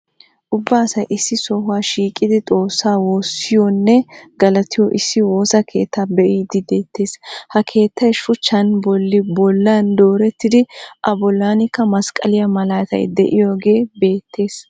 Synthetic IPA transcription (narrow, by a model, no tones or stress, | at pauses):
ʔʊbːaːsɐjʔɪsːɪsɔhʊwaːʃiːkʼːɪd̪ɪt̪ʼo̞ːsːaːwo̞ːsːɪjɔnːɛɡɐlɐt̪ɪjɔʔɪsːɪwo̞ːsɐkʰe̞ːt̪ʰːabɛʔiːd̪ɪd̪eːt̪ːe̞ːshɐkʰe̞ːt̪ʰːɐjʃʊt͡ʃːɐnbɔlːɪbɔlːand̪o̞ːɾɛt̪ːɪd̪ɪʔɐbɔlːanɪkːɐmɐskʼɐ̰lɪjɐmɐlaːt̪ɐ̰jd̪ɛʔɪjo̞ːɡe̞ːbe̞ːt̪ʰːe̞ːs